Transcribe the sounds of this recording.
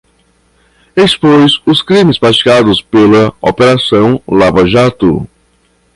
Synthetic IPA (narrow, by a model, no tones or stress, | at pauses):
espojsʊskɾĩmɪspɾat͡ʃi̥kad̪ʊspelɐopeɾasɐ̃w̃lavaʒat̪ʊ̰